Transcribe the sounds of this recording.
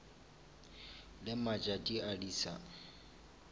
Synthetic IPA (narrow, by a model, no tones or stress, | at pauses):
lɪmat͡ʃʼatʼiaɺiːsa̰